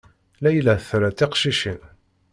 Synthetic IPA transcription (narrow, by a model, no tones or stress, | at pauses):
læjlæθɾæt̪ːɪqʃiʃin